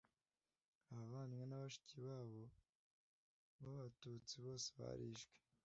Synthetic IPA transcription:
aaβaːnŋenaβaʃi̥ciiβaːβo̞ | βaβatut͡siβo̞ːseβa̰ɾiʃɡwe̥

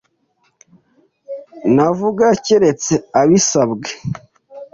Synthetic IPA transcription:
navuɡaceɾe̞t͡seaβisabɡe

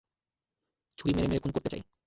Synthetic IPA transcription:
t͡ɕʰuɾimeɾemeɾekʰonkoɾt̪et͡ɕa̰j

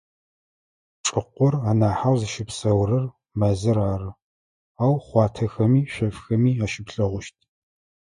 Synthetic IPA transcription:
ʈ͡ʂʼɨqʷʊraːnaːħawzɨʃɪpsɐwɾɐr | mɐzɨɾaːrɨ | aːwχʷɑːtʰɐxɐmiːɕʷᶣɐfxɐmiːaːʃɪpɬɐʁʷʊʃtʰ

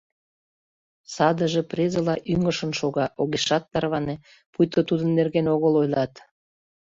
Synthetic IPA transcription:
sɑd̪əʒeprezəlɑʔyŋəʃənʃoɣɑʔoɣeʃɑt̪ːɑrβɑne | pujt̪ot̪ud̪ənːerɣenoɣəlojlɑt̪

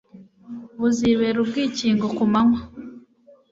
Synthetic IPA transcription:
βuziβeɾubɡiːciːŋɡokumaŋwa

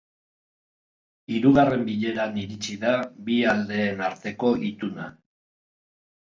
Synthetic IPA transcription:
iɾuɣare̞mbiʎe̞ɾaniɾit͡siðaβiald̪e̞ːnaɾt̪e̞ko̞ʔit̪una̰

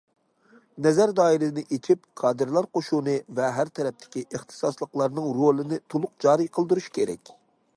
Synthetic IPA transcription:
nɛzæɾd̪ɑːiɾɪnɪʔet͡ʃʰipkʰɑːd̪ɨɾlˠɑɾqoʃunɨvɛɦæɾt̪ʰɛɾɛp̚t̪ʰɪ̥kʲiʔeχt̪ʰɨ̥sɑslˠəqlˠɑɾnɨŋɾolˠɨnɪt̪ʰulˠʊq̚d͡ʒɑːɾijqʰəlˠd̪uɾuʃkʲʰeɾɛ̰kʲ

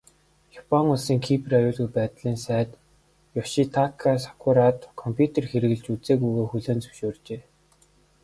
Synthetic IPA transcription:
japʰɔŋʊɮsiːŋkʰiprajʊːɮɣujpæːt̪ɮiːnsæːt̪ | jɔʃit̪ʰakʰasḁkʰʊɾat̪kʰɔmpʰʲjut̪ʰerxeɾɘ̆ɣɘ̆ɮt͡ɕut͡seːɣujɣoːxuɮoːnt͡sɵ̥wʃoːrt͡ɕeː

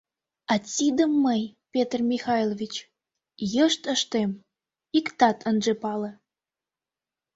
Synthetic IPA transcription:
ɑt͡sʲid̪əmːəjpʲet̪rmʲixɑjlovʲit͡ɕ | jəʃt̪əʃt̪em | ikt̪ɑt̪ʰənʒepɑlĕ

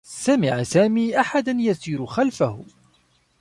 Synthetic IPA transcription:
samɪʕsaːmiːʔaħad̪anjasiːɾʊxalfahʊ

